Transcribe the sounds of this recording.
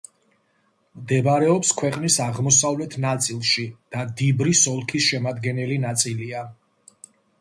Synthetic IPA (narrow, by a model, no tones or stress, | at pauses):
md̪ɛbaɾɛɔpskʰwɛqʼnisaʁmɔsavlɛt̪ʰnat̪sʼilˠʃid̪̥ad̪ibɾisɔlˠkʰisʃɛmad̪ɡɛnɛlinat̪sʼilia